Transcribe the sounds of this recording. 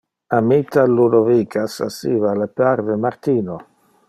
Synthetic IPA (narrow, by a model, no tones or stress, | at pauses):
amit̪ʰːaluɾovikʰasa̰sḭːvalɛpaɾvemaɾt̪iːno